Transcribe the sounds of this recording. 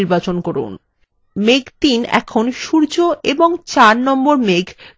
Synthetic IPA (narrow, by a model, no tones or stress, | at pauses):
iɾbat͡ɕonkɔɾṵn | meɡt̪inɛ̰kʰonʃuɾd͡ʑoʔeboŋt͡ɕaɾnɔmboɾmeɡ